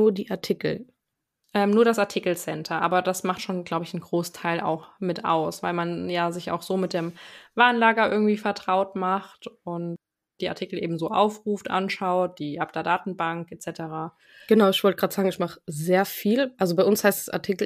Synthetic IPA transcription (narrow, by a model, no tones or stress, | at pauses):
nuːɐdḭːʔaɐtʰɪkl̩ | ʔɛːmnuːɐɾasaɐtʰikl̩sɛntʰɐʔa̰ːbɐdasmaχtʃoːnɡlaʊbəɪçn̩ɡʁoːstʰaɪla̰ʊxmɪtʔa̰ʊsv̥aɪlmanjaːzɪça̰ʊxz̥oːmɪt̚d̥eːmvaːnlaːɡɐʔɪ̰ɐɡŋ̩tv̥iːfɛɐtʁ̥aʊtmaχtʊnt | d̥iːʔaɐtʰɪkl̩ʔeːbm̩zoːʔa̰ʊfʁuːftʔa̰nʃaʊt̚d̥iːʔap̚d̥ɛɐdaːtn̩baŋkʔet͡sɛtəʁaː | ɡ̥ənaʊɪçv̥ɔltəɡʁaːtz̥aːɡŋ̩ɪçmaχəzeːɐfiːlʔalzobaɪʊnshaɪstd̥asa̰ɐtʰikl̩